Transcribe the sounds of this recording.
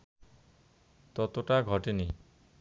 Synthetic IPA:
t̪ɔt̪oʈaɡʱɔʈeni

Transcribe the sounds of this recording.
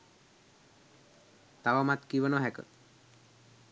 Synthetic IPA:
t̪aʋamat̪kiʋənoɦɛkə̰

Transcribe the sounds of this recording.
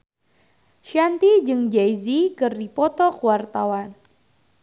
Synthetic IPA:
ʃant̪id͡ʒɨŋd͡ʒajzikɨrdipɔt̪ɔkuwart̪awan

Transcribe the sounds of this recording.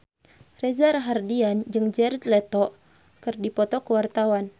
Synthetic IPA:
rɛzarɦardiand͡ʒɨŋd͡ʒɛrt̪lɛt̪ɔ | kɨrdipɔt̪ɔkəwart̪awan

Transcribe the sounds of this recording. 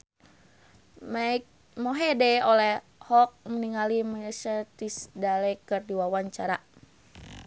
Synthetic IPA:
ma | moɦɛdɛolɛh | hɔk̚məniŋalimaəsət̪isdalɛkərdiwawaɲt͡ʃaɾa

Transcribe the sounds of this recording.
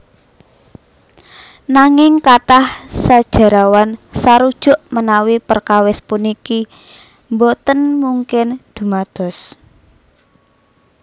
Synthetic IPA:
naŋɪŋkaʈahsad̥ʒ̥a̤ɾawansaɾud̥ʒ̥ʊ̤ʔmənawipərkawɪspuniki | mbɔt̪ənmuŋkɪnd̪̥ṳmad̪̥ɔ̤s

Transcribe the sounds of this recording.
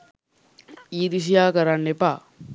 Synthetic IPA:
iːd̪is̬ijaːkɐɾanːepaː

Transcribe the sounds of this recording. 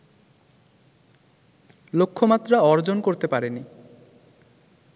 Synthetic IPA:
lokʰːomat̪ːɾaɔɾd͡ʑonkoɾt̪epaɾeni

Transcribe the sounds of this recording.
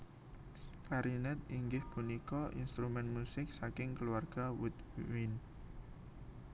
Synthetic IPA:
kaɾinɛt̪̚iŋɡɪhpunikɔʔḭnst̪ɾumɛnmusɪk̚sakɪŋkəluarɡ̥awut̪wɪn

